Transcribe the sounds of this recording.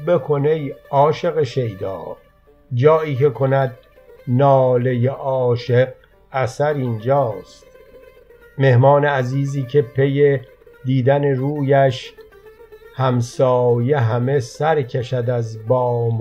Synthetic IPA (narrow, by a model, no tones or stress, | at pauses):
be̞kʰo̞nejɒːʃe̞ɣeʃe̞jd̪ɒ̰ːɾ | d͡ʒɒːiːkʰe̞kʰo̞næd̪̚ | nɒːle̞jeʔɒːʃeq | æsæɾind͡ʒɒːst̪ | me̞hmɒːneæziːziːcʰe̞pʰe̞je | d̪iːd̪æneɾuːjæʃ | hæmsɒːje̞ɦæme̞sæɾcʰeʃæd̪æzbɒːm